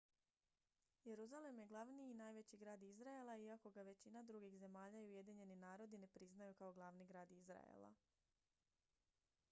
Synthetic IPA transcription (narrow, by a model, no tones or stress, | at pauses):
je̞ɾuzale̞mje̞ɡlˠaʋniinaːjʋe̞t͡ɕiɡɾaːd̪izɾaelˠaiako̞ɡaʋe̞t͡ɕinad̪ɾuɡixze̞maːʎaiuje̞d̪iɲe̞ninaːɾo̞d̪ine̞pɾiznajukao̞ɡlˠaʋniɡɾaːd̪izɾa̰jḛlˠa̰